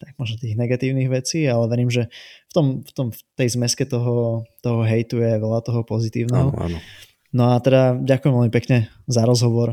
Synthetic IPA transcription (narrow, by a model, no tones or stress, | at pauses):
t̪aɡmɔʒnɔt̪iːɣnɛɡat̪iːʊniɣʋɛt͡siːalɛʋɛɾiːmʒɛft̪ɔmft̪ɔmft̪ɛjzmɛskɛt̪ɔɦɔt̪ɔɦɔɦɛjt̪ujɛʋɛʎat̪ɔɦɔpɔzit̪iːʊnɛɦɔa̰n | nɔat̪ɛd̪aɟakujɛmʋɛlmipɛkɲɛ | zaɾɔzɦɔʋɔɾ